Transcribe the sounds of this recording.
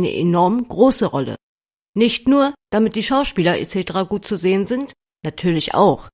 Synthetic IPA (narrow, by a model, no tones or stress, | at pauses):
nə̰ʔḛnɔɐmɡ̥ʁoːsəʁɔlə̰ | nɪçtnuːɐd̥amɪt̚d̥iːʃaʊʃpiːlɐʔḛt͡setəʁaːɡuːt̚t͡suzeːənzɪnt | natʰyːɐlɪçʔa̰ʊx